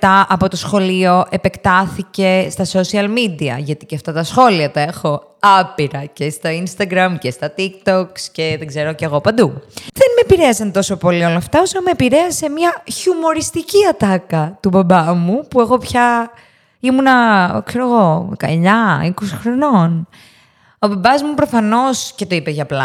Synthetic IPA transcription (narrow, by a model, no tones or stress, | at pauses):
t̪ɐʔɐpo̞t̪osxo̞lio̞ʔe̞pe̞kt̪ɐθice̞st̪ɐso̞siɐlmid̪iɐ̰ʝɐt̪iceɐft̪ɐt̪ɐsxo̞liɐt̪ɐe̞xo̞ | ɐpiɾɐcest̪oinst̪ɐɡɾɐmcest̪ɐt̪ik̚t̪oksceðeɡze̞ɾoceɣo̞pɐnd̪uðenmepiɾe̞ɐsɐnt̪o̞so̞po̞lio̞lɐːft̪ɐosɐnmepiɾe̞ɐse̞miɐçumo̞ɾist̪iciɐt̪ɐkɐt̪ubɐbɐmupue̞xo̞pçɐ | imunɐkse̞ɾoɣo̞kɐ̰ɲɐiko̞si̥xɾo̞no̞n | o̞bɐbɐzmupɾo̞fɐno̞sce̞t̪o̞ipeʝɐplɐ